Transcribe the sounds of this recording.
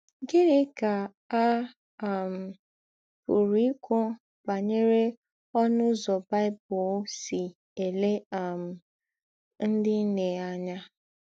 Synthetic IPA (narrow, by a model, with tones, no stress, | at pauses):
ɡe˦ɾe˦ka˨ | a˦˨ | m̩˨ | pʊ˨ɾi˨˦i˦kʰʷɔ˦ | ba˨ɲe˦ɾe˦ | ɔ˦nʊ˦zɔ˨ba˦ɪ˦bʊ˨˦sɪ˨ | e˨le˦a˨m̩˨ | n̩˦dɪ˦n̩˦ne˨a˨ɲa˦